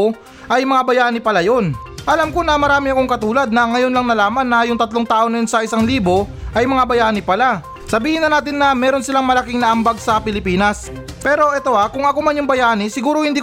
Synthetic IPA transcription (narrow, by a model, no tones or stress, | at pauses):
ʔɐjmɐŋabɐjaːnɪpɐlajo̞n | ʔɐlamko̞nɐmɐɾaːmɪɐko̞ŋkɐt̪uːlɐd̪̚nɐŋɐjo̞nlɐŋnɐlaːmɐnːɐjʊŋt̪ɐt̪loŋt̪aːʔonɐjonsɐʔɪsaŋliːbo̞ʔɐjmɐŋabɐjaːnɪpɐla | sɐbiːhɪnɐnaːt̪ɪnːɐmɛːɾo̞nsɪlaŋmɐlɐkɪŋnɐʔɐmbaɡ̚sɐpɪlɪpiːnɐs | pɛːɾo̞ʔɛt̪o̞ʔakʊŋɐko̞mɐnjʊŋbɐjaːnɪsɪɡuːɾo̞hɪnd̪iː